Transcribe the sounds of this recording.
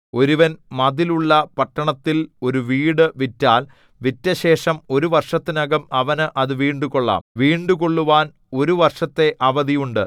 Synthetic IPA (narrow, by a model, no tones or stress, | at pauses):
o̞ɾuʋɐnmɐðiluɭːɐpɐʈːɐɳɐt̪ːilo̞ɾuʋiːɽɨʋitːaːl | ʋitːɐɕe̞ːʂɐmo̞ɾuʋɐrʂɐt̪ːinɐɡɐmɐʋɐnɨʔɐðɨʋiːɳɖukoɭːa̰ːmʋiːɳɖuko̞ɭːuʋaːn | o̞ɾuʋɐrʂɐt̪ːe̞ʔɐʋɐðijuɳɖɨ